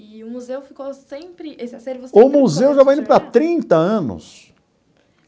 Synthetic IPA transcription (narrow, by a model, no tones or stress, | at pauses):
ʊmuzewfikosẽpɾɪʔesʊmmuzewʒavajĩnd̪ʊpɾat̪ɾĩnt̪ɐɐ̃nʊ̰s